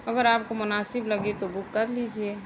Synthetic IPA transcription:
ɐɡəɾaːp̚komʊnaːsɪblɐɡet̪obʊkːɐɾlid͡ʒieː

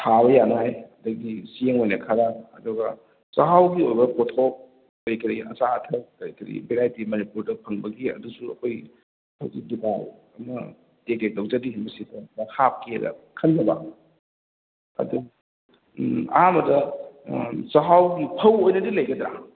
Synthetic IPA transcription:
tʰaβɐjanajɐdɐɡisieŋojnɐkʰaɾaɐdɔɡa | sɐɦawɡiojbɐpotʰok̚ | kɐjkʰɐɾiʔɐ̰saːtʰɐk̚kɐɾjkʰɐɾḭbeɾajtimɐnipuɾdɐpʰɐŋbɐɡiɐ̰dusuɐ̰kʰoj | pʰɐwɡiduka | ɐmɐ | tekedowzadihinbɐsitemmɐhap̚kḛɾɐ̰ | kʰɐnd͡ʒɐba̰ | ɐ̰du | amɐdɐ | sɐɦawɡipʰɐwojnɐdilɐjɡɐdɾa̰

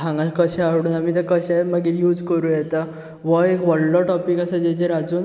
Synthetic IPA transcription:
ãŋɡalkəɕaaʋɽuːnamit̪əkəɕajməɡiːɾjuːd͡zkəɾũːjɛt̪a | ʋəekʋəɽlɔʈɔpikasad͡ʑed͡ʑeɾad͡zuːn

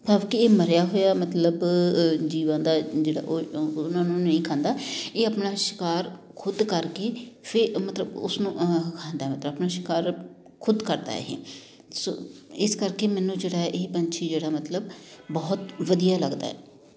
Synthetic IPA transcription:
paːʋkɪeːməɾjaːɦoːjaːmət̪ləbd͡ʒiːʋãːd̪aːd͡ʒeːɽa̰ːʔoːnãːnũːnəĩːkʰãːnd̪aːeːəpnaːʃɪ̥kaːɾ | kʰʊd̪kəɾkeːpʰɪɾmət̪ləbʊ̰snũːkʰãːnd̪aːɛmət̪ləbəpnaːʃɪ̥kaːɾ | kʰʊd̪kəɾd̪a̰ːɛ̰ɦḛː | so̰ːɪskəɾkeːmɛ̃ːnũːd͡ʒeːɽaːɛʔeːpənt͡ʃʰeːd͡ʒeːɽaːmət̪ləbbɔːt̪ʋəd̪ijaːləɡd̪a̰ːɛ̰ː

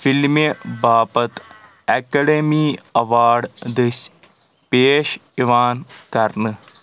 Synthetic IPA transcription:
filmebaːpɐt̪ | ɛkɐɖemiːɐʋaːɾɖd̪ɐs | peːʃiʋaːnkɐɾnɨ

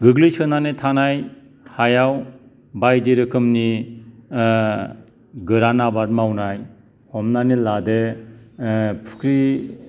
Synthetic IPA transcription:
ɡɯɡlisɯnanitʰanaj | hajaw | bajdiɾɯkʰɯmni | ɡɯɾanabaɾmawnaj | hɔmnanilade | pʰu̥kʰɾi

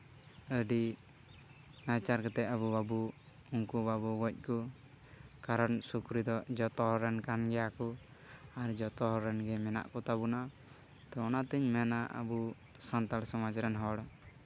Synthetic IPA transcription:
əɖi | nat͡ʃaɾkɔt̪ɛəβubabu | uŋkubabuwɔc̚ˀkɔ | kaɾɔnsukɾid̪ɔd͡ʒɔt̪ɔɦɔɾɛnkanɡɛjakɔ | aɾd͡ʒɔt̪ɔɦɔɾːɛnɡɛmɛna̰ʔkɔt̪abuna | t̪ɔɔnat̪əɲmɛnaʔə̰bu | sant̪alsɔmad͡ʒɾɛnɦɔɽ

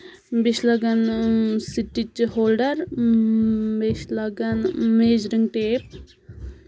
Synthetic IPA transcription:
beʃlɐɡɐnsiʈːit͡ʃhoːlɖɐɾ | beʃlɐɡɐnmeːd͡ʒɾiŋɡʈeːp̚

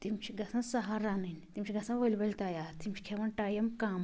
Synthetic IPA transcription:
t̪imt͡ʃʰiɡɐsɐnsɐɦaɾanɐnt̪imt͡ʃʰiɡɐsɐnʋəlʲbɐlʲt̪ɐjaːɾt̪imt͡ʃʰi̥kʰeʋɐnʈaːjɐmkaːm

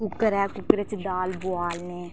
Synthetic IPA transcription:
kʊkəɾɛːkʊkɾət͡ʃd̪aːlbʊaːlneː

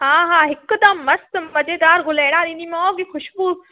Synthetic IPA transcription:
ɦaːɦaːɦɪkd̪ɐmːɐst̪mmɐd͡ʑeːd̪aːɾɡʱʊleːɽ̃aːɾĩːnimɔːɡixʊʃbuː

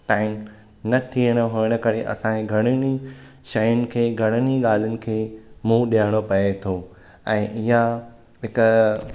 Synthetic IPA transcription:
ʈaːɪm | nɐtʰiːəɽ̃əɦoəɽ̃ə̆kɐɾeʔɐ̰sãeɡʱɐɽ̃ɪñi | ʃɐjʊnɪ̆kʰeːɡʱɐɽ̃əniɠaːl̤ɪnɪ̆kʰeːmũːɗiaɪɽ̃opɐet̪ʰoː | ɛ̃ːʔɪɦa | ɦɪk

